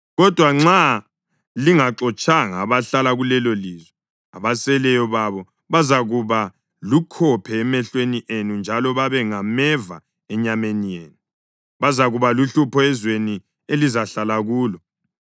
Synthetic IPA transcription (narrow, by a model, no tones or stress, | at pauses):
ɣɔd̥ʱwaŋ͡ǁa | liŋaǁɔt͡ʃʼaŋaβaɬalaɣulɛloliːzwɛ | a̰βasɛlɛjɔβaβɔ | βazaɣuβa | lukʰɔpʰɛːmɛɬweniʔenund͡ʒʱalɔβaβɛŋamɛva̰ | ɛɲamenijeːnu | βazaɣuβaluɬupʰɔɛzweni | elizaɬalaɣuːlɔ